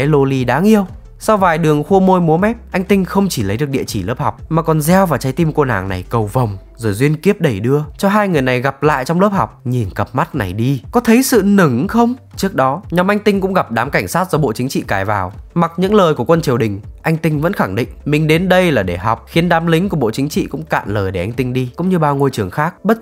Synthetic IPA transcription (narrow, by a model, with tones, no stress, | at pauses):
ɛ˨˦lo˧li˧ɗaː˨˦ŋʔi˧əw | sa˧wvaː˨˩jɗɨ˨˩əŋxu˧əmo˧jmu˨˦mɛ˦˥p̚ʔa˧jŋ̟t̪ï˧ŋ̟xə˧wŋ͡mt͡ɕi˧˩lə˨˦jɗɨ˨˩ək̚ɗḭ˧˨ət͡ɕi˧˩ləː˦˥p̚hɔ˨˩wk͡p̚maː˨˩kɔ˨˩nzɛ˧wvaː˨˩wt͡ɕa˨˦jt̪i˧mko˧na̰ː˧˩ŋna̰˨˩jkə˨˩wvə˨˩wŋ͡m | zo˧˩jzwi˧ənki˦˥əp̚ɗə˧˩jɗɨ˧ət͡ɕɔ˧ɦaː˧jŋɨ˨˩əjna˨˩jɣa˨˩p̚la̰ː˧˨jt͡ɕɔ˧wŋ͡mləː˦˥p̚hɔ˨˩wk͡p̚ɲi˨˩nkə˨˩p̚ma˦˥t̚na˨˩jɗi˧kɔ˨˦t̪ʰə˨˦jsɨ̰˧˨nɨ˧˩ŋxə˧wŋ͡mt͡ɕɨ˦˥ək̚ɗɔ˨˦ɲɔ˨˦mʔa˧jŋ̟t̪ï˧ŋkʊ̰˧˥ŋ͡mɣa˨˩p̚ɗaː˨˦mka˧˩jŋ̟saː˦˥t̚z̥ɔ˧ɓo̰˧˨t͡ɕi˨˦ŋ̟t͡ɕḭ˧˨kaː˧˩jvaː˨˩wma˨˩t̚ɲɨ̰˧˥ŋləː˨˩jku˧˩əkwə˧nt͡ɕi˨˩əwɗï˨˩ŋ̟ʔa˧jŋ̟t̪ï˧ŋ̟və̰˧˥nxa˧˩ŋɗḭ̈˧˨ŋmï˨˩ŋ̟ɗe˨˦nɗə˧jlaː˨˩ɗe˧˩ɦɔ˨˩wk͡p̚xi˨˦ənɗaː˨˦mlï˨˦ŋ̟ku˧˩əɓo̰˧˨t͡ɕï˨˦ŋt͡ɕḭ˧˨kʊ̰˧˥ŋ͡mka̰ː˧˨nləː˨˩jɗe˧˩ʔa˧jŋ̟t̪ï˧ŋ̟ɗi˧kʊ̰˧˥ŋ͡mɲɨ˧ɓaː˧wŋo˧jt͡ɕɨ˨˩əŋxaː˦˥k̚ɓə˦˥t̚